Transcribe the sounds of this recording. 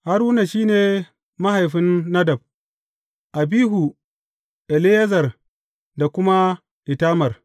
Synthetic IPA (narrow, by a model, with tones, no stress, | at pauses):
ha˦ɾwʊ˦na˨ʃiː˦neː˨ | ma˦ha˨jɸɪ˦nːɐ˦dɐ˨b̚ | ʔa˨biː˦ɦu˨ | ʔɛ˨li˦jɐ˦zɐ˨r | da˨kʷʊ˦ma˦ | ʔɪ˨taː˦mɐ˨r